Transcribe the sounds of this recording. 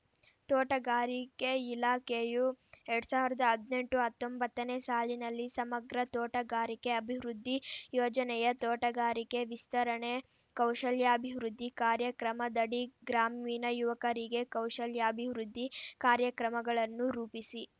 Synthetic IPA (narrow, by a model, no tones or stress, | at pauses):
t̪oːʈɐɡaːɾikeilaːkejuɛɾɽusaːʋiɾɐd̪ɐɐd̪ne̞ɳʈuɦɐt̪ːombɐt̪ːɐneːsaːlinɐlːisɐmɐɡɾɐt̪oːʈɐɡaːɾike̞ɐbʱiʋɾud̪ʱːijɔːd͡ʒɐnɛjɐt̪oːʈɐɡaːɾike̞ʋist̪ɐɾɐɳe | kɐwʂɐljaɐbʱiʋɾud̪ːikaːɾjɐkɾɐmɐd̪ɐɽiɡɾaːmiːnɐjuʋɐkɐɾiɡe̞kɐwʂɐljaɐbʱiʋɾud̪ːikaːɾjɐkɾɐmɐɡɐɭɐnːuɾuːpisi